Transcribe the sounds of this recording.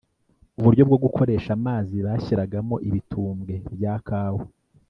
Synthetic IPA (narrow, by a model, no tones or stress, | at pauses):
uβuɾɟo̞bɡo̞bɡukʰo̞ɾe̞ːʃamaːziβaːçiɾaɡamo̞ʔiβitʰuːmɡe̞bjaːkaːwo